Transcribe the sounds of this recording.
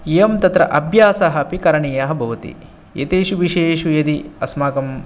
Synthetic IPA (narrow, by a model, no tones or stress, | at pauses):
ejɐmt̪ɐt̪ɾɐ̰ʔɐbʱjaːsɐɦɐpikɐɾɐɳiːjɐɦɐbʱɐʋɐt̪ḭ | jḛt̪eːʃuʋiʃeːʃujɐd̪iɐsmaːkɐm